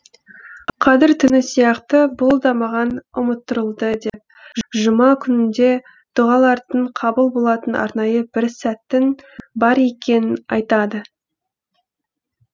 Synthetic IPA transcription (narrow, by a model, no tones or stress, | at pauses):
qʰɑzɪɾt̪ʰʏnɪsijɑqt̪əbolˠd̪ɑmɑʁɑnʊmət̪ːəɾəlˠd̪əd̪e̞p̚ | ʒəmɑkʲʰʏnɪnd̪e̞ | d̪̥ʊʁɑlˠɑɾd̪əɴqʰɑbəlˠbo̞lˠɑt̪ənʔɑ̰ɾnɑjəbɪɾsæt̪ːɪnbɑɾe̞kʲe̞nɪnɑ̰jt̪ɑd̪ə